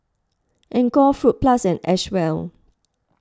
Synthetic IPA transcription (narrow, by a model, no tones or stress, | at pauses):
ʔɛ̃nkɔfɹut̚plasɛ̃nɛ̰ʃwɛl